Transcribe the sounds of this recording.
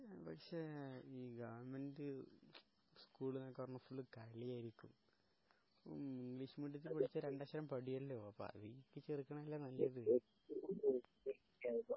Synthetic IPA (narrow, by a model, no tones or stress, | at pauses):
pɐkʂe̞ːiːɡɐʋɐɾmɐndɨ | skuːɭnɐkːɨpɐrɐnːufuɭːɨkɐɭijaːjiɾikʲːum | po̰iŋɡɭiːʂmiɖjɐt̪̬ːilpɐɽit͡ɕːɐɾeɳɖaːɕɐɾɐmpɐɽijɐlːoɐpːo̰ɐ̰ʋikːɨt͡ɕerikʲːɐɳɐmɐlːanɐlːɐɐðɨe | eikʲːao